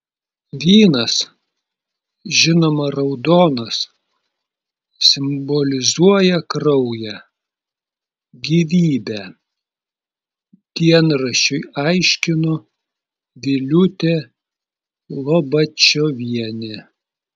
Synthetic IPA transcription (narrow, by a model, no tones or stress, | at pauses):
ʋʲiːnɐs | ʒʲɪnoːmɐɾɐʊd̪oːnɐs | sʲɪmbɔlʲɪzuɔjɛkɾɐʊjɛ | ɡʲiʋʲiːbʲæ | d̪ʲiɛnɾɐʃʲʊɪɑɪʃʲkʲɪnʊ | ʋʲɪlʲʊt̪ʲeː | lˠobɐt͡ʃʲoːʋʲiɛnʲe